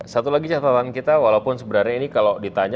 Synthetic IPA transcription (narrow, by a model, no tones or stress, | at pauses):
sat̪ulaɡit͡ʃat̪at̪ankit̪awalaupʊnsəbəɾaɾɲainikaladit̪aɲ